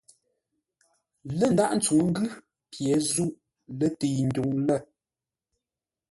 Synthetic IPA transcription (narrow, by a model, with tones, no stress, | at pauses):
lə˦˨n̩˨da˦ʔn̩˦t͡su˨ŋ˦ŋ̩˦ɡʉ˦ | pjɛ˨zu˦˨ʔ | lə˦te˨jn̩˨du˨ŋlə˦˨